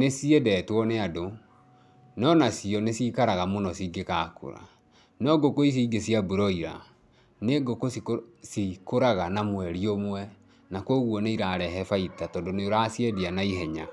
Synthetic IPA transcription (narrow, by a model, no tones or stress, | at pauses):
nesiɛdɛtwɔneado | nɔnasiɔnesiːkaɾaɣamonɔsiːɡekaːko̰ɾa̰ | nɔɡokois̬iːɡesiabuɾɔiɾa̰ | neɡokosikosikoɾaɣanamwɛɾiomwɛ | nakoɣwɔneiɾaːɾɛɦɛfaitatɔːndoneoɾasjɛdianaiɦɛɲa